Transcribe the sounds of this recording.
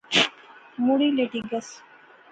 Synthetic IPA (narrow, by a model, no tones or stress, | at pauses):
muɽileʈiɡɐs